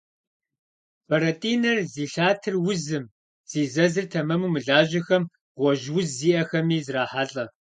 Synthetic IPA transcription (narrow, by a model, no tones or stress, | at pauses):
fɐɾɐtʼiːnɐrziːɬaːtʰɨrwʊzɨm | z̥iːzɐzɨrtʰɐmɐmuːmɨɮaːʒɐxɐm | ʁʷɔʒwʊzziːʔɐxɐmiːzraːħaɬʼɐ